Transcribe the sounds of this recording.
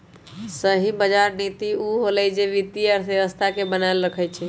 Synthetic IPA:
səɦibəd͡ʒaɾnit̪iuɦolɛjd͡ʒeʋit̪iəɾsjeʋəst̪ʰakebənaelɾəkʰəjt͡ʃʰɛ

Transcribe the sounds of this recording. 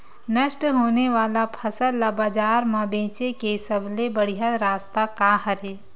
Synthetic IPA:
nəʃʈɦoːneʋaːlapʰɐsəlːabaːd͡ʒaːɾmãbẽːt͡ʃekesəblebəɽ̤ijaɾaːst̪akaɦɐɾeː

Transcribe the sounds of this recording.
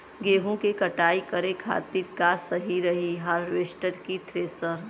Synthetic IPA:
ɡeːɦũkekɐʈaːikəɾekʰa̰ːt̪iːɾkasəɦiɾɐɦiɦəɾʋeːʃʈəɾkit̪ʰɾeːsəɾ

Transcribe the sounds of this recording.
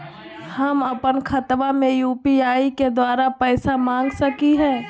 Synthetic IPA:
hɐmɐpənkʰɐt̪ʋamẽjuːpiaːiked̪waːɾapɛːsamãːŋɡsɐkiɦɛː

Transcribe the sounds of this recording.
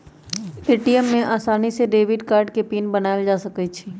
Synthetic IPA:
peːʈijəmːẽʔaːsaːniseɖeːʋɪɖkaːɾɖkepiːnbənaːeld͡ʒaːsɐkət͡ʃʰi

